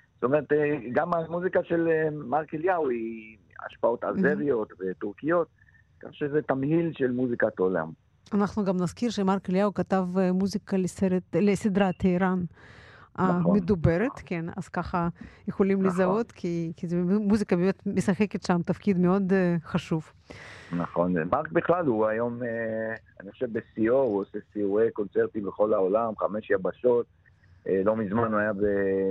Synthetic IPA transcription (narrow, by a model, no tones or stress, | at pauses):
zo̥t̪omeʁet̪ɡamamuzikaʃelemaʁkeljawi | a̰ʃpaot̪a̰zeʁijo̞t̪vet̪uʁkijot̪̚ | ka̰χʃezet̪amhilʃelmuzikat̪ola̰m | anaχnuɡamnazkiɾʃemaɾkeljawkat̪avmuzikaleseɾet̪lesid̪ɾat̪eiɾan | anmed̪ubeɾet̪kena̰z̥kaχajexolimlezaot̪kʰikizemuzikabemet̪mesaχeket̪ʃamt̪afkid̪meo̞d̪χaʃuv | naχo̞nmaʁkbiχlaluajo̞meaniχoʃevbesiouosesiuekont͡seʁt̪ibeχo̞laolamχameʃjabaʃot̪̚ | elo̞mizmanuajabe